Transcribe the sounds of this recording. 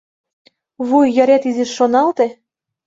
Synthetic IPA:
βujjɑɾʲæt̪izeʃːonɑlt̪e

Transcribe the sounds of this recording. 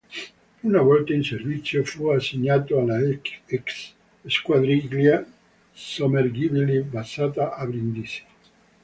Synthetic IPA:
unavɔlt̪ainservit̪sːjofuasiɲːat̪oalaeks | eskwad̪ɾiɡlja | somerɡibilibasat̪aʔabɾind̪ise̥

